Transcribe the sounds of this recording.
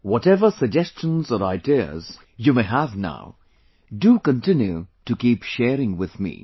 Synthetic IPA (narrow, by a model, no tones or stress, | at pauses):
wɔtɛvəsəɡ̚d͡ʒɛst͡ʃə̃nzɔɾaɪdiə̰z̥ | jumeɪɦævna̰ʊ | dukə̃ntɪ̃njutukiːpʃɛːɾɪ̃ŋwɪð̥mḭː